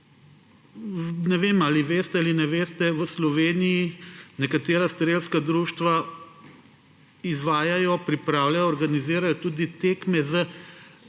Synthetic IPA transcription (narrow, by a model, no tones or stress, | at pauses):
nɛʋeːmaːliʋeːst̪ɛalinɛʋeːst̪ɛʋəslɔʋeːnijinɛkat̪eːɾast̪ɾeːlskad̪ɾuːʃt̪ʋa | izʋaːjajɔpɾipɾaːwljajɔːɾɡaniziːɾajɔt̪uːd̪it̪ekmɛzə